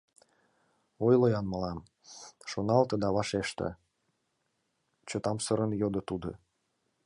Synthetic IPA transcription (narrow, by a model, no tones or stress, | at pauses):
ojlojɑnməlɑm | ʃonɑlt̪ɤ̆d̪ɑβɑʃeʃt̪ə̰ | t͡ɕot̪ɑmsɤ̆ɾə̆njod̪ɤ̆t̪ud̪ŏ̰